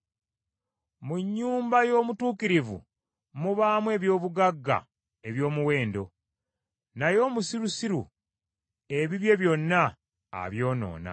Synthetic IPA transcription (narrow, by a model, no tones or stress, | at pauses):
muɲːuːmbajo̞ːmutuːkiɾivṵ | muβaːmwe̞ːβjo̞ːβuɡaɡːa̰ | e̞βjo̞ːmuwe̞ːndo̞ | najo̞ːmusiɾusiɾṵ | e̞βiβje̞βjo̞nːa̰ː | βjo̞ːno̞̰ːna̰